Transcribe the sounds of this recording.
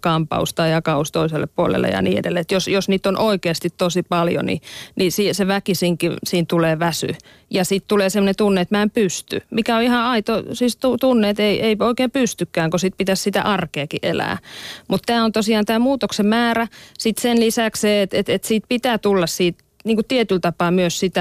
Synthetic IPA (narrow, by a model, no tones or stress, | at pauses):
kɑmpɑ̰ust̪ɑijɑkɑust̪oiselːeppuolḛlːḛjɑ̰nḭːḛdelːeet̪josjosniːt̪ːonʔoikeːst̪it̪t̪osipɑljo̰nḭnisiːseʋækisiŋkisiːnt̪uleːʋæsy̰ | jɑsiˑt̪t̪uleːsemːŏnet̪unːeet̪mæempyst̪y̰mikæoihɑɑit̪osist̪ut̪unːeːt̪eiʔeioikeːmpyst̪ykːæːŋkosit̪̚pit̪æssit̪æ̰ʔɑrkeːkiʔelæ̰ːmut̪t̪æːont̪osiɑːnt̪æːmuːt̪oksemmæːræsit̪senlisæksseːet̪et̪et̪siːt̪̚pit̪æːt̪ulːɑssiːt̪ | niːŋkutt̪iet̪ylt̪ɑpɑːmyøssit̪æ